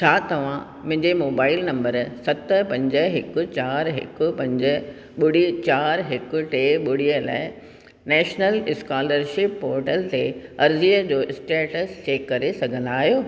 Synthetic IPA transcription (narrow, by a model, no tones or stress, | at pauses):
t͡ɕʰaːt̪ɐʋ̤ã | mʊ̃ɦɪ̃ɲd͡ʑemoːbaːɪlnɐ̃mbəɾsɐt̪ə̆pɐ̃ɲd͡ʑə̆ɦɪkʊ̆t͡ɕaːɾɦɪ̰kʊpɐ̃ɲd͡ʑə | ɓʊɽ̤it͡ɕaːɾɦɪkʊ̆ʈeɓʊɽ̤ijəla̰ːɪ | nɛːʃnəlɪskaːləɾʃɪpːoːɾʈəlt̪eɐɾd͡ʑiːəd͡ʑoːʔɪsʈeːʈəst͡ɕeːkːɐɾesɐɡʱə̃nd̪aːɦijoː